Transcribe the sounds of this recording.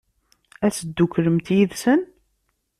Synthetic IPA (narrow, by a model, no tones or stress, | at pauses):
æsəd̪ːukːɾəmt̪jiðsən